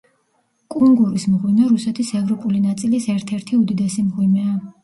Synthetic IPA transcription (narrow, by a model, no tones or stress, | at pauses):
kʼuŋɡuɾismʁwinaɾusɛt̪ʰisɛvɾɔpʼulinat̪sʼilisɛɾt̪ʰɛɾt̪ʰiud̪id̪ɛsimʁwimɛa